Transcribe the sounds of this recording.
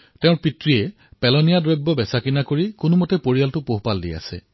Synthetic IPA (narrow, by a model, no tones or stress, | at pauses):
tɛ̃ʊ̃ɹpitɹiɛ | pɛlɔnijadɹɔjbːɔbɛsakinakoɹikʊnumɔtɛpoɹialtʊpoɦpaldḭa̰sɛ̰